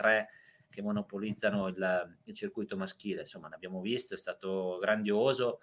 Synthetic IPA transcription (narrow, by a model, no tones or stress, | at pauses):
t̪ɾɛ | kemːonopolid̪zːanoililt͡ʃirkujt̪omask̟iːlensomːaneabjaːmovist̪oɛst̪aːt̪oɡɾand̪joːzo